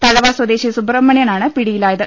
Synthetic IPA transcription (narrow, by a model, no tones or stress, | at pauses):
t̪ɐlɐʋaːswɐd̪eːɕisubrɐmːɐɳjɐnaːɳɨpiɽijilaːjɐðɨ